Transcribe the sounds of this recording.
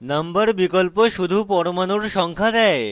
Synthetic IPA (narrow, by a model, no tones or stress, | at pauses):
nəmbəɾbikɔlpəʃud̪ʱuːpɔɽmanuɽɕɔŋkʰad͡zae